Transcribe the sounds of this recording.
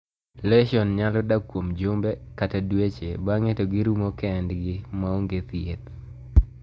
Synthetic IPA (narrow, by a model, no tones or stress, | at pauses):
lɛʃɔnɲalɔdakːwomd͡ʒombekatadwet͡ʃebaŋetɔɡɪɾumokɛndɡɪmaoŋɡet̪jet̪